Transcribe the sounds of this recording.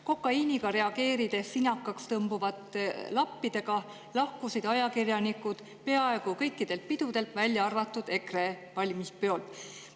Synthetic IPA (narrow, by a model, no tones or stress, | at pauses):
ko̞kːˑɑiːniɡɑɾe̞ɑɡ̥e̞ːɾid̪̥e̞sːinɑkːˑɑkst̪ɤmbuvɑt̪ˑlɑpːid̪̥e̞ɡɑ | lɑhkusid̪̥ɑjɑkirjɑnikːud̪̥ | pe̞ɑe̞ɡ̥ukɤ̞jkːid̪̥e̞lt̪̚pid̪̥ud̪e̞lt̪vælʲjɑɑrvɑt̪ːˑud̪̥e̞kre̞vɑlʲmispøolt̪ˑ